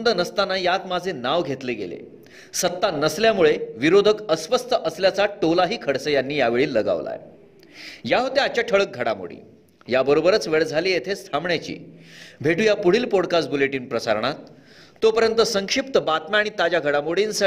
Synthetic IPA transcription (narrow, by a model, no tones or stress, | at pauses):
nd̪ənəst̪anːajat̪mad͡zʱenaʋɡʱet̪leɡḛlḛ | sət̪ːanəsljamuɭeʋiɾod̪ʱəkəsʋəst̪ʰəʔəsljat͡saʈolaɦiːkʰəɽsəjanːiːjaʋeɭiːlːəɡa̰ʋla̰e | jaɦot̪eat͡ɕaʈʰəɭək̚ɡʱəɽa̰mo̰ɽḭː | jabəɾobəɾət͡sʋeɭd͡zʱaliːjet̪ʰest̪ʰamɳjat͡ɕḭːbʱeʈujapuɽ̤iːlpɔɽkasʈ̚buleʈiːnpɾəsaɾɳ̃at̪ː | opəɾjənt̪əsəŋkʂip̚t̪əbat̪mjaaːɽ̃it̪ad͡ʑaɡʱəɽamoɽiːnsə